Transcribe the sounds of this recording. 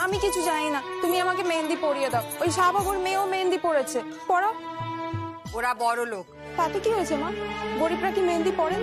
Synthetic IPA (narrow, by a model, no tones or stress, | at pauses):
amikit͡ɕʰud͡ʑaninat̪umiamakemend̪ipoɽijed̪eoojʃabʱabuɾmeomend̪ipoɽet͡ɕʰe | pɔɾa | oɾabɔɾolok | t̪at̪ekiɦojet͡ɕʰemaɡoɾipɾakimend̪ipɔɾen